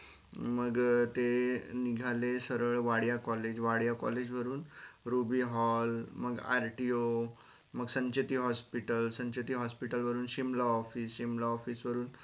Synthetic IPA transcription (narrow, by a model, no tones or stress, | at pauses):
məɡt̪eniɡʱalesəɾəɭʋaɽjakɔled͡ʑʋaɽjakɔ̰led͡ʑʋəɾuːnɾubiɦɔlməɡa̰ɾʈio | məɡsə̃ɲt͡ɕet̪iːɦɔspiʈəlsə̃ɲt͡ɕet̪iːɦɔspiʈəlʋəɾuːnɕimlaɔfiːsɕimlaɔfiːsʋəɾuːn